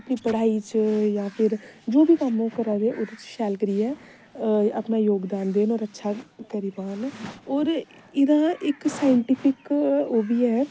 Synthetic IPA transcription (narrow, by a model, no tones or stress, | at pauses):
əpnĩːpəɽ̤aːiːt͡ʃjãːpʰɪɾd͡ʒoːbʱiːkəmõːkəɾãːd̪eːʔoːd̪et͡ʃʃɛːlkəɾiːɛː | əpnaːjoːɡd̪aːnd̪eːnoːɾətːʃʰaːkəɾiːpaːnɔːɾ | ɪd̪ãːɪksaːɪɳʈiːpʰɪkoːbiːɛː